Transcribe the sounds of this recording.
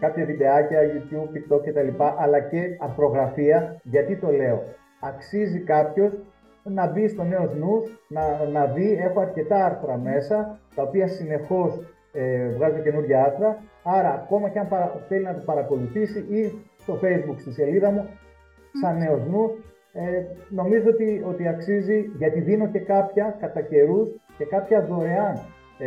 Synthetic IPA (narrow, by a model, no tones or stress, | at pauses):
kɐpçɐðid̪e̞ɐcɐʝut̪jub̚pik̚t̪o̞kce̞t̪ɐlipɐʔɐlɐce̞ɐɾθɾo̞ɣɾɐfiɐʝɐt̪it̪o̞le̞o̞ | ɐksizikɐpço̞s | nɐbist̪o̞ne̞o̞znusnɐnɐvie̞xo̞ɐɾce̞t̪ɐɐɾθoɾɐme̞sɐt̪ɐopiɐsine̞xo̞s | evɣɐzece̞nuɾʝɐɐɾθɾɐɐɾɐːko̞mɐceɐmpɐɾɐθe̞linɐt̪opɐɾɐko̞luθisiʔist̪o̞fe̞jzbukst̪osiɐliðɐmu | sɐnːe̞o̞znus | eno̞mizoot̪io̞t̪iɐksiziʝɐt̪iðino̞ce̞kɐpçɐkɐt̪ɐce̞ɾusce̞kɐpçɐðo̞ɾeɐn